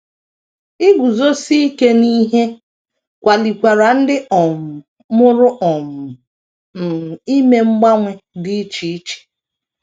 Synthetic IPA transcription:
i˦ɡʷu˨zo˦si˦i˦ke˦ni˦ɦe˦ | kʷa˨li˨kʷa˨ɾa˨n̩˦dɪ˦ʔɔ˨mʊ˨ | mʊ˦ɾʊ˦ʔɔ˨mʊ˨ | m̩˨i˦me˦ŋ͡m̩˦ɡ͡ba˦ŋʷe˦dɪ˦t͡ʃi˨˦t͡ʃi̥˨

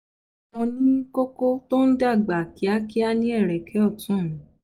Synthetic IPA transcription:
ɔ̃˧nĩ˦ko˦ko˦to˦n̩˦da˦˨ɡ͡ba˨ki˨˦a˦ki˦a˦nĩ˦ɛ˦˨ɾɛ˨kʰɛ˨˦ɔ˦˨tũ˦m̃˨˦

